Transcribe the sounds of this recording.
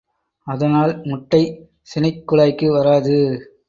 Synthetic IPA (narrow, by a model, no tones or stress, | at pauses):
ɐðɐnaːlmʊʈːɐɪ | sɪnɪkːʊɭaːjkːɯʋɐɾaːðɯ